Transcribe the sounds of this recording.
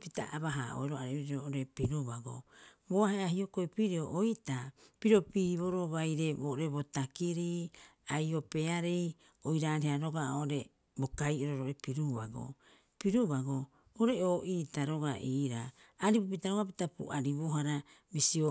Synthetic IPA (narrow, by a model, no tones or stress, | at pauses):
pita̰ʔaβaɦa̰ʔo̰eɾoaɾiβiɾoʔoɾe̞piɾuβaɡo̰boaheahio̞kojpiɾioʔojtapiɾopiːβo̞ɾoβajɾe̞boɾeβotakiɾiajo̞pe̞aɾej | ojɾaːɾeaɾoɡaoɾe̞ | bo̞kajoɾoɾoɾe̞piɾuβaɡo̰ | piɾuβaɡo | oɾe̞oːʔitaɾo̞ɡaʔiːɾa̰ː | ɾibup̬itaɾoɡap̬itapṵʔaɾiβoɦaɾa | bisio